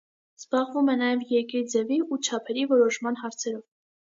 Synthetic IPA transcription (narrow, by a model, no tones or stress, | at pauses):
z̥bɑʁvumɛnɑjɛvjɛɾkiɾd͡zɛviut͡ʃʰɑpʰɛɾivɔɾɔʃmɑnɦɑɾt͡sʰɛɾɔv